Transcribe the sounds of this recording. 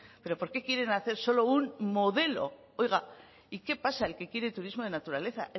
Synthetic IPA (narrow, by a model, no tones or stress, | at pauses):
pe̞ɾo̞po̞ɾkekje̞ɾe̞naθe̞ɾso̞lo̞unmoðe̞lo̞̰ | o̞jɣa | ike̞pasae̞lke̞kje̞ɾet̪uɾizmo̞ð̞e̞nat̪uɾale̞θaʔe